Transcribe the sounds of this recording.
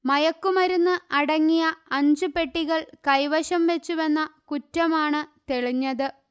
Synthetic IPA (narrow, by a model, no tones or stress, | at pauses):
mɐjɐkːumɐɾunːɨʔɐɽɐŋːijɐɐɲd͡ʑupe̞ʈːiɣɐɭkɐjʋɐɕɐmʋe̞t͡ɕːuʋɐnːɐkutːɐmaːɳɨt̪e̞ɭiɲːɐðɨ